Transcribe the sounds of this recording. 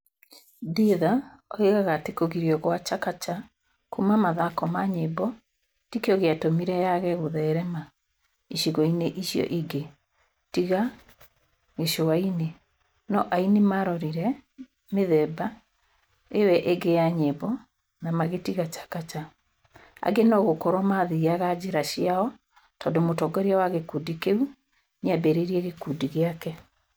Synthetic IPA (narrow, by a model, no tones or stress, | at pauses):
diða | ɔeɣaɣatekoɣiɾjɔɣwat͡ʃakat͡ʃa | kumamaðakɔmaɲebɔ | tikeɔɣeatomiɾɛjaɣɛɣoðɛɾɛma | iʃiɣɔineʔiʃjɔ̰ʔiɡe | tiɣa | ɣeʃowaine | nɔʔainemaɾɔɾiɾɛ | meðɛba | ewɛʔeɡejaɲebɔ | namaɣetiɣat͡ʃḁkat͡ʃa | a̰ɡenɔɣokɔɾwɔmaðiaɣad͡ʑiɾaʃiaɔ | tɔːndomotɔɡɔɾeawaɣekudikeu | nabeɾeɾiɛɣekudiɣeakɛ